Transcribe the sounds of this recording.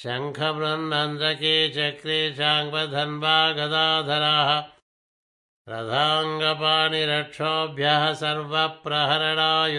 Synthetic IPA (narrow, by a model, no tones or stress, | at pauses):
ʃɐŋkʰɐbɾɐnːɐnd̪ɾɐkeːt͡ʃɐkɾiːʃaːŋbɐd̪ʱɐnbʱaːɡɐd̪aːd̪ʱɐɾaːɦɐ̆ | pɾɐ̰d̪ʱaːŋɡɐpaːɳiɾɐʈʂʰoːbʱjaɦɐsɐɾʋɐpɾɐɦɐɾɐɽaːj